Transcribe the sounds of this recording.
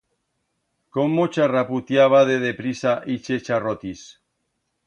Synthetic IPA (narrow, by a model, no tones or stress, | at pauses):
komːot͡ʃaraput̪jaβaðeðepɾisaʔit͡ʃet͡ʃarot̪is